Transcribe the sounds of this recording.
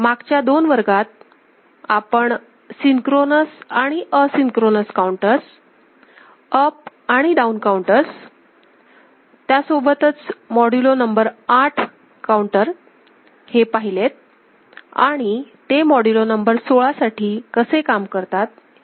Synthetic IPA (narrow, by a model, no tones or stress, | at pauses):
maɡt͡ɕjad̪onʋəɾɡat̪̚ | apəɳ | siŋkɾonəsaɽ̃iʔəsiŋkɾonəskauɳʈəs | əp̚ | aɽ̃iɖaunkauɳʈəs | t̪jasobət̪ət͡smɔɽulonəmbəɾaʈʰ | kauɳʈəɾ | hepaɦilet̪̚ | a̰ɽ̃it̪emɔɽulonəmbəɾsoɭasaʈʰiːkəsekamkəɾt̪at̪̚